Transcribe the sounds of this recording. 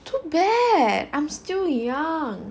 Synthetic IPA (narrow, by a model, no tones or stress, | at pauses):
tʰubɛdã̰ɪ̃mstɪljʌŋ